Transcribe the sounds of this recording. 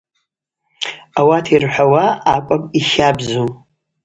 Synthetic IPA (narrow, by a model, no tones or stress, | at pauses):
awatʰirħʷawaːkʷʼapʼiʃabzu